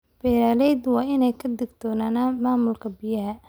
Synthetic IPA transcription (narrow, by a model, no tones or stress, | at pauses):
b̥ɛːɾaːlɛjd̪wɑːɪnɛjkʰɐd̪ɪɡt̪ʰɔːnaːnaːmaːmʊlkʰɐbɪjɐɦɐ